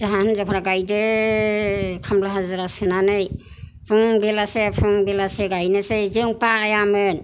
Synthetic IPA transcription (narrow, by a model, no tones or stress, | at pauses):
zaɦanzapʰɾaɡajde | kʰamlaɦazɯɾasɯnanɯj | pʰuŋbelasepʰuŋbelaseɡajnɯsezɯŋpaːjamɯn